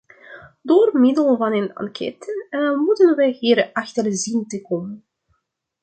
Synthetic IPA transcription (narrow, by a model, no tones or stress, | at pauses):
doːrmɪdəlˠvɑnənɑ̰ŋkʰɛ̰tənmutənʋɛjhiːɾʔɑxtərzintəkɔmən